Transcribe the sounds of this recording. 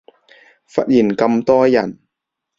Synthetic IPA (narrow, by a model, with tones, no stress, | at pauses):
fɐ˦˥t̚jiː˨˩nkɐ˧mt̪ɔː˥jɐ˨˩n